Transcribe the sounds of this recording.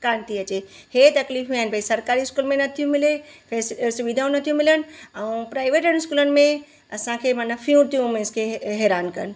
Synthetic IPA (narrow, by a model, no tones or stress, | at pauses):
kaːɾəɳt̪iɐt͡ʃehet̪ɐkliːfɦũaːɪnbʱɐisɐɾkaːɾiɪskuːlmẽnɐt̪ʰijũmɪlepʰeːssuʋid̪ʱaːũnɐt̪ʰijũmɪlənɐũpɾaːɪʋeːʈənɪskuːlənɪ̆mẽ | ɐsãkʰemanləpʰijũɾt̪ʰijũmẽɪskʰeɦeːɾaːnkɐ̰ɾən